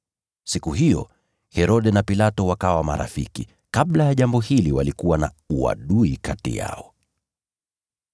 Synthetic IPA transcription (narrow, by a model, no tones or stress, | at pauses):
sikuɦijɔ̰ | hɛɾɔɗɛnapilatɔwakawama̰ɾʔa̰fḭki | kaɓlajaʄambɔhiliwalikuwana̰ | ua̰ɗuikatḭja̰ɔ